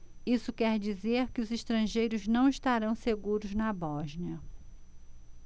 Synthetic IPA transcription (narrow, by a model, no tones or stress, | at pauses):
isʊkɛɾd͡ʒizeɾkɪʊziʃt̪ɾɐ̃ʒejɾʊznɐ̃w̃iʃt̪aɾɐ̃w̃seɡuɾʊznɐbɔʒniɐ